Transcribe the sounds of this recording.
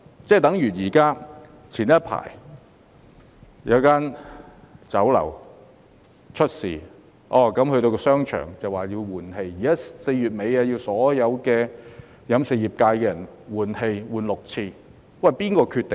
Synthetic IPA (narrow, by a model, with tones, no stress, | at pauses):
t͡sɛː˥˩t̪ɐ˨˥ŋjyː˨˩jiː˨˩kaː˥ | t͡sʰiː˨˩n̚ː˦˥pʰa̰ː˨˩j | jɐ˨˧wkaː˥n | t͡sɐ˨˥wlɐ̰˨˩w | t͡ʃʰɵ˥t̚sḭː˨˩ | ʔɔː˧˩kɐ˨˥mhɵ˧t̪o˧wkɔː˧sœː˥ŋt͡ʃʰœ̰ː˨˩ŋt͡sɐ˨˩waː˨˩jiː˧wwuː˨˩nhe˧jjiː˨˩kaː˥se˧jyː˨t̚me˨˧jaː˧ji˧wsɔː˨˥jɐ˨˧wkɛː˧ | jɐ˨˥mse˨jiː˨˩p̚kaː˧jkɛː˧jɐ˨˩nwuː˨˩nhe˧jwuː˨˩nlʊ˨k̚t͡sʰiː˧ | wɐ˨˩jpiː˥nkɔː˧kʰyː˧t̪e˨